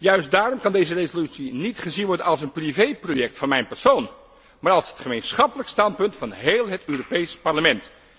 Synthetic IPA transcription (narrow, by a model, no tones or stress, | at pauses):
jœɥst̚daːrɔmkɑndejzərezolytsinitχəzinʋɔɹdənɑlˠs̬ənprivejprojɛk̚tfɑnmɛjnpɛɹsown | maːɹɑlˠsɦətχəmejnsχɑpələkstɑnpɵntfɑnɦeːlˠɦətøːropejspɑɹləmɛnt